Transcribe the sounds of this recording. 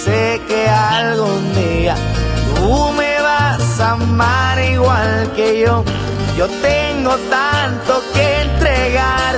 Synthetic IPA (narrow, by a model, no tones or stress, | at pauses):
se | kealɣond̪ea | t̪umeβasamaɾiɣwalkeʝo̞ | ʝot̪eŋɡot̪ant̪okent̪ɾeɣaɾ